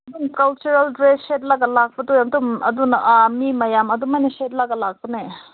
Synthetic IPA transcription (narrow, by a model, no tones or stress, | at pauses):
ɐdunkɐlt͡ʃuɾɐldɾeset̚lɐɡɐlak̚pɐdojamdumɐ̰dunʔamimɐjamɐdumajnɐset̚lɐɡɐlak̚pɐne